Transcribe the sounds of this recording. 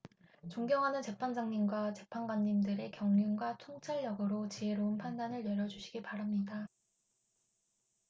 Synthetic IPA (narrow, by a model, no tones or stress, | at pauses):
t͡ɕoŋɡjʌŋɦanɯnt͡ɕe̞pʰand͡ʑaŋɲimɡwat͡ɕe̞pʰanɡwaɲːimdɯɾe̞kjʌŋɲunɡwatʰoŋt͡ɕʰaɭːʌɡɯɾot͡ɕieɾoɯnpʰandanɯɭjʌɾjʌd͡ʑuɕʰi̥ɡipaɾamɲida